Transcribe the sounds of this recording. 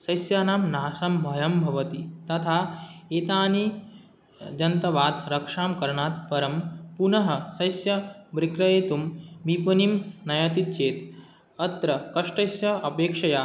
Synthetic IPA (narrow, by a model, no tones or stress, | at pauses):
sɐjsjaːnaːmnaːsɐmbʱɐjɐmbʱɐʋɐt̪it̪ɐt̪ʰaːeːt̪aːni | d͡ʒɐnt̪ɐʋaːd̪ɾɐkʂaːmkɐɾɳaːt̪̚pɐɾɐmpunɐɦɐ̆sɐjsjɐbɾikɾɐjeːt̪umbipɐnimnɐjɐt̪it̪̚t͡ʃeːt̪ | ɐt̪ɾɐkɐʂʈɐjsjɐɐpeːkʂɐjaː